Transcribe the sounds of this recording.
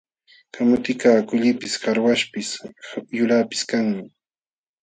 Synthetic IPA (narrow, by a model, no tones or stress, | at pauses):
kʰamʊt̪ɪkaːkʊʎɪpɪshaɾwaʃpɪsjʊlapɪ̥skaŋmɪ